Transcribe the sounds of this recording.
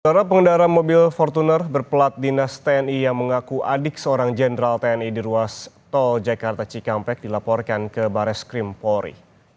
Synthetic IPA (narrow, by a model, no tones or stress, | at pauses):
sdaɾapəŋəndaɾanmobɪlfɔrt̪unərbərpəlat̪̚dinast̪eɛnijaŋməŋakuʔa̰dɪk̚səoɾaŋd͡ʒɛndɾalt̪eɛnidiɾuast̪ɔld͡ʒakart̪at͡ʃikampɛk̚dilapɔrkankəbaɾɛskɾimpɔɾḭ